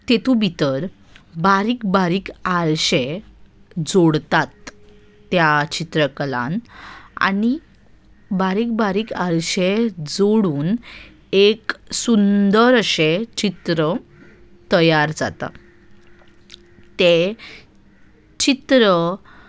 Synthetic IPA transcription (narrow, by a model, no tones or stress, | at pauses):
t̪et̪ũbʱit̪əɾ | baɾiːkbaɾiːkaɾɕe | d͡zoɽt̪at̪ː | jat͡ɕit̪ɾəkəlã̰na̰ni | baɾiːk̚baɾiːkaɾɕed͡zoɽuːn | eksund̪əɾəɕet͡ɕit̪ɾə | t̪əjaɾd͡za̰t̪a̰ | t̪e | t͡ɕit̪ɾə